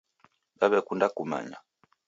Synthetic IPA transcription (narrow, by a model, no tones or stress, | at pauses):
baβɛkundakuma̰ɲa